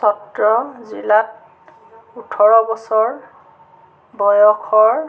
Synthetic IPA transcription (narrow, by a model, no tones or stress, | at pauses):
sɔtɹɔzḭlat̚ | utʰɔɹɔbɔsɔɹ | bɔjɔkʰɔɹ